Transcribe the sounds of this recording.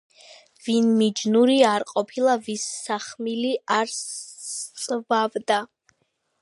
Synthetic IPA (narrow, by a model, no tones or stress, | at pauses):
vinmid͡ʒnuɾiaɾqʼɔpʰilˠavisːaχmiliaɾs | sʼvavd̪a